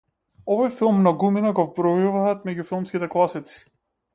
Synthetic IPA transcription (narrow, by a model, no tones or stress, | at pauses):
ɔvɔjfilˠmnaɡuminaɡɔvbɾɔjuvaːt̪mɛɟufilˠmskit̪ɛklˠasit̪si̥